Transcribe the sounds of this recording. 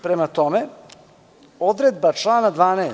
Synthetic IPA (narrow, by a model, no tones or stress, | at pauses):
pɾemat̪o̞me | o̞d̪ɾed̪bat͡ʂlˠaːnad̪ʋaːneː